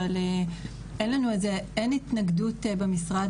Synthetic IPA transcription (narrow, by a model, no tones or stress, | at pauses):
ale | ʔenlanuezeenitnɐɡdutebemisʁad